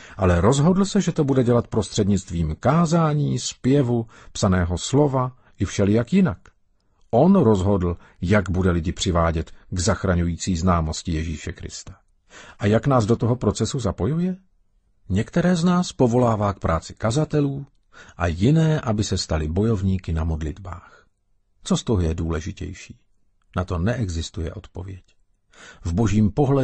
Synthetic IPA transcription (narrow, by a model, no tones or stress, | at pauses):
ʔalɛɾo̞zɦo̞dl̩sɛʒɛt̪o̞budɛɟɛlat̪pɾo̞st̪r̥ɛdɲɪt͡st̪viːmkaːzaːɲiːspjɛvu | psanɛːɦo̞slo̞va | ʔɪfʃɛlɪjakjɪnak | ʔo̞nɾo̞zɦo̞dl̩ | jaɡbudɛlɪɟɪpr̥ɪvaːɟɛt̪ɡzaxɾaɲujiːt͡siːznaːmo̞scɪjɛʒiːʃɛkɾɪ̰st̪ḁ | ʔajaknaːzdo̞t̪oɦopɾo̞t͡sɛsuzapo̞jujɛ | ɲɛkt̪ɛɾɛːznaːspo̞vo̞laːvaːk̚pɾʔaːt͡sɪ̥kazat̪ɛluː | ʔajɪnɛːʔabɪsɛst̪alɪbo̞jo̞vɲiːkɪnamo̞dlɪd̪ba̰ːx | t͡so̞st̪oɦojɛduːlɛʒɪcɛ̰jʃiː | nat̪o̞nɛʔɛɡzɪst̪ujɛ̰ʔo̞t̪po̞vjɛc | vbo̞ʒiːmpo̞ɦlɛ